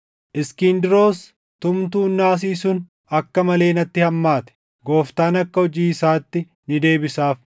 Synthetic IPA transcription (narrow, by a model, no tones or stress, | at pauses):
ʔɪskiːnd̪ɪɾo̞ːs | t̪ʊmt̪uːnːaːs̬iːsʊn | ɐkːɐmɐle̞ːnɐt̪ːɪhɐmːaːt̪ɛ̥ | ɡo̞ːft̪aːnɐkːɐɔd͡ʒiːɪsaːt̪ːɪ | nɪd̪e̞ːbɪsaːf